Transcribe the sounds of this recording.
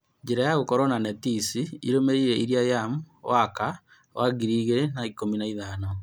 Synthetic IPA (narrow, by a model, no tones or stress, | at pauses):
ɲd͡ʒeɾajaɣokɔɾɔnanɛtisiḭɾomeɾiɾeiɾiajamu | waka | waɡiɾiɣenaikominaiðanɔ